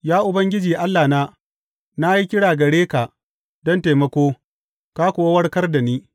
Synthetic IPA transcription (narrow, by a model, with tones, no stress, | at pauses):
jaː˦ʔʊ˨bɐ˦ŋɡʲɪ˦d͡ʒiː˨ʔa˦lːaː˨naː˦ | na˦ji˦kʲɪ˦ɽaː˨ɡɐ˨ɽeː˦ka˨ʔ | dɔ˦nte˨mɐ˦kʷoː˦ | kaː˦kʷʊ˨wa˦wɐ˦rkɐ˦rda˨niː˦